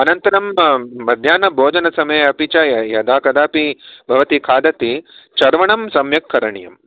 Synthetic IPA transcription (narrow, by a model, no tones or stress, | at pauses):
ɐnɐnt̪ɐɾɐmːɐd̪ʱjaːnɐbʱoːd͡ʒɐnɐsɐmɐjɐɐpit͡ʃɐjɐd̪aːkɐd̪aːpibʱɐʋɐt̪ikʰaːd̪ɐt̪it͡ʃɐɾʋɐɳɐmsɐmjɐkʰːɐɾɐɳijɐm